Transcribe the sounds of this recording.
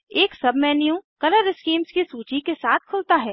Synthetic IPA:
eːksɐbmɛːnjũkɐləɾɪskiːmskisuːt͡ʃikesaːt̪̚ʰkʰʊlt̪aɦɛː

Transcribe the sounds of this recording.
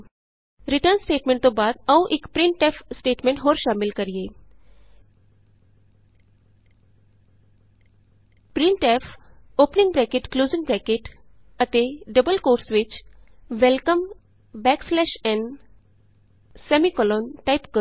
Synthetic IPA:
ɾiʈəɾnsʈeːʈmẽɳʈt̪obaːd̪əũʔikpɾĩɳʈʈefsʈeːʈmẽɳʈɦoːɾʃaːmilkəɾije | pɾĩɳʈef | oːpnĩŋɡbɾɛkeʈkluːzĩŋɡbɾɛkeʈ | ət̪eɖəbəlkoːɾsʋit͡ʃʋelkəm | bɛkslɛʃɛ̃ɳ | semikɔlɔnʈaipkə

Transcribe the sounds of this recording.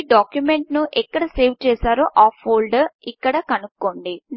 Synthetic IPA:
ɖaːkjumeɳʈnuʔɛkːɐɽɐseːʋt͡ʃɛːsaːɾuʔaːpʰːoːlɖikːɐɽɐkɐnukːoːɳɖi

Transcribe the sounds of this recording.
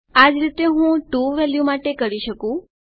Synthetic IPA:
ad͡ʒɾit̪eɦũʈuʋɛljumaʈekəɾiʃəkũ

